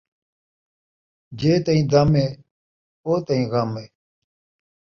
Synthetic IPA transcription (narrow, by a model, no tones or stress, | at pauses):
d͡ʒeːt̪ɐĩːd̪ɐmeː | oːt̪ɐĩːɣɐmeː